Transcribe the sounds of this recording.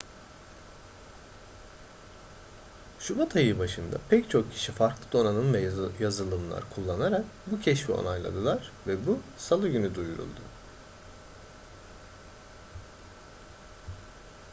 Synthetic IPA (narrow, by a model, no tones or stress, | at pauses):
ʃubat̪ʰajɯbaʃɯnd̪a̰pʰɛct͡ʃʰo̞k̚cʰi̥ʃifaɾklˠɯd̪o̞nanɯnvɛjazɯlˠɯmlˠa̰ɾkʰulˠːanaɾakbucʰɛʃfio̰najlˠa̰d̪ɯlˠaɾ̥vɛbusalˠɯɟynyd̪ujuɾṵlˠd̪ʊ